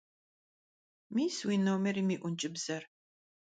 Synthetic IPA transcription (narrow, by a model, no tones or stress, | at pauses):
miːswiːnowmɛɾiːmiːʔʷʊnt͡ʃʼɪbz̥ɐr